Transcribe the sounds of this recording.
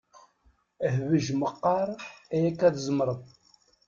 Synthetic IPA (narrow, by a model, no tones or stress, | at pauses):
əhvəʒməqːɑɾˤæjækːæðzˤəmɾˤəðˤ